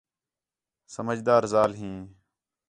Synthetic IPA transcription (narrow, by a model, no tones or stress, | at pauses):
səməd͡ʒd̪aːɾzaːlɦĩː